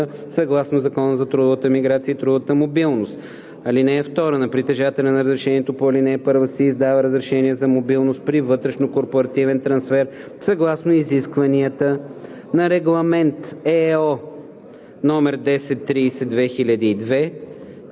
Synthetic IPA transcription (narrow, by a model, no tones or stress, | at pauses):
sɐɡlˠasnozɐkɔnəzɐt̪ɾud̪vət̪əmiɡɾat̪sijəit̪ɾud̪vət̪əmobilˠnost̪ | ɐlinɛːft̪ɔɾənɐpɾit̪ɛʒat̪ɛlʲɛnɐɾəzɾɛʃɛniɛt̪opoɐlinɛːpɤɾvəsɛːzd̪avəɾəzɾɛʃɛniəzɐmobilˠnost̪̚pɾivɤt̪ɾɛʃnokoɾpoɾɐt̪ivɛnt̪ɾɐnsfɛɾ | sɐɡlˠasnoiziskvɐniət̪ə | nɐɾɛɡlˠɐmɛnt̪ɛɔ | nɔmɛɾd̪ɛsɛt̪ːɾiːsɛd̪vɛxilʲəd̪iːd̪vɛ